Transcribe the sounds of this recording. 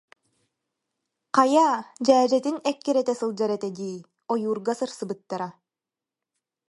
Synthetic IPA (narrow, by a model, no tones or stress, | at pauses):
qɑjaːd͡ʑæːd͡ʑɛt̪inɛkːɛɾɛt̪ɛsɯlˠd͡ʑaɾɛt̪ɛd̪iː | ɔjuːɾɡasɯɾsɯbɯt̪ːaɾa